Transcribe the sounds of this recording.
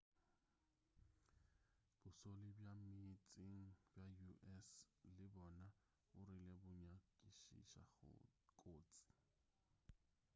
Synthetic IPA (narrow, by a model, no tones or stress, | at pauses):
b̥ʊsolɪbjamit͡sʼɪŋ̩bjajuʔɛslɪbɔna | ʊɾɪlebʊɲakʼiʃḭʃa̰ɣ̰kʼoːt͡sʼi̥